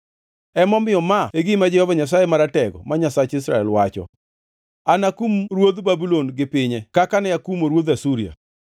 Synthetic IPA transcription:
ɛmɔmɪjɔmaeɡimad͡ʒɛhɔvaɲas̬ajemaɾatɛɡɔ̰maɲasat͡ʃɪsɾaɛlwat͡ʃɔ̰ | anakumɾwod̪babulonɡɪpɪɲɛkakanɛakumoɾwod̪asuɾia̰

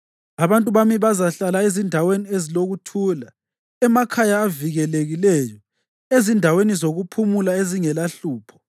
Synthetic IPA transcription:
aβantʼuβamiβazaɬalaezindʱawenieziloɣutʰuːla | ɛmakʰajaːviɣɛleɣilɛjɔ | ezindʱawenizoɣupʰumulaeziŋɛlaɬuːpʰɔ̥

